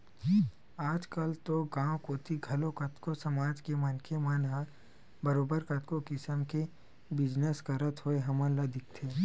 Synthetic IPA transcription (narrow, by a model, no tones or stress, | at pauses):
aːd͡ʒkɐlt̪oɡãːwkot̪ʰiɡʱɐlõkɐt̪kosɐmaːd͡ʒkemɐnkʰemɐnɦa | bɐɾoːbəɾkɐt̪kokɪsəmke | bɪd͡ʒnəskɐɾət̪ɦoeɦɐmãlɐd̪ɪk̚t̪ʰe